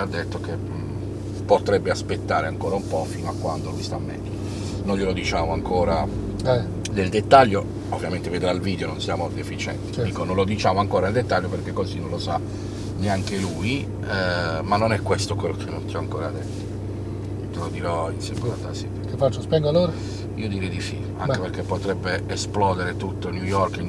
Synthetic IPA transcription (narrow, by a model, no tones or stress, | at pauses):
ad̪ːet̪ːoke | pot̪ɾɛbːeaspet̪ːaːɾeaŋkoːɾaumpɔfiːnoakːwand̪olujst̪amːɛ̰d̪o | nojʎːjelod̪it͡ʃaːmoaŋkoːɾa | ɛ | neld̪et̪ːaʎːo | ovːjament̪eved̪ɾalviːd̪eononsjaːmod̪efit͡ʃɛ̰nt̪id̪iːkononlod̪it͡ʃaːmoaŋkoːɾaneld̪et̪ːaʎːoperkekːozinõnlosa | neaŋkeluji | manːonɛkːwest̪okwelːokʰenːont̪iɔaŋkoːɾad̪et̪ːo̥ | t̪elod̪iɾɔinsɛmbat̪ːa̰sit̪kefat͡ʃːospɛŋɡoaloɾa | ḭːod̪iɾɛjd̪ifḭ | a̰ŋkeperkːepːot̪ɾɛbːeːsplɔːd̪eɾet̪ut̪ːonjujɔrkin